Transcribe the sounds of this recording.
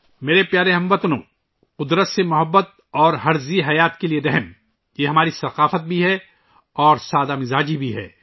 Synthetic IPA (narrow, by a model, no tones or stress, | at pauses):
meːɾepjaːɾeɦɐ̃mʋət̪nõ̰ː | qʊd̪ɾət̪semʊɦəbːət̪̚ɔːɾɦɐɾziɦɐjaːt̪kelieɾɛɦm | jeɦɐmaːɾisɐqaːfət̪̚bʱiɦɛ | ɔːɾsaːd̪amɪzaːd͡ʒibʱiɦɛ̰ː